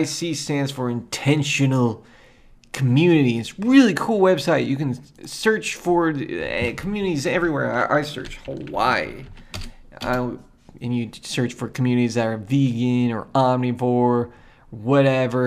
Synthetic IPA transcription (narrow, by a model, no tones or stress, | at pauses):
ɪsisæ̃nz̥fə˞ɨ̃ntʰɛ̃nʃɨnl̩ˠ | kʰəmjʉnɨɾiɨtsɹɪlˠikʰulˠwɛbsaɪtjɨkɨ̃nsɜ˞t͡ʃfə˞kʰmjʉnɨɾizɛvɹiwɛɹaɪʔa̰ɪsɜ̰˞t͡ʃhəwa̰ɪ | a̰ɪ | ɨ̃njɨsɜ˞t͡ʃfə˞kʰmjʉnɨɾizðɨɾə˞viɡɪ̃nə̰˞ɑmnibɔɹ | wʌɾɛvə˞